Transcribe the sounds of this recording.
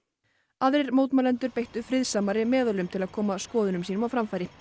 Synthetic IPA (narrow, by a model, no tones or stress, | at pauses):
aðɾɪɾmowt̪malɛnt̪ʏɾpejht̪ʏfɾɪðsaːmaɾɪmɛːðʏlʏmt̪ʰɪlaðkʰɔːmaskɔːðʏnʏmsiːnʏmawfɾamfaːjɾɪ